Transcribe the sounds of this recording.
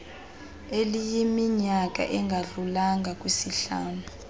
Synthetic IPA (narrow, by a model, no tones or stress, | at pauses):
elijimiɲak̬ʼa̰ʔɛŋɡʱaɮulaŋɡʱak̬ʼwisiɬaːnu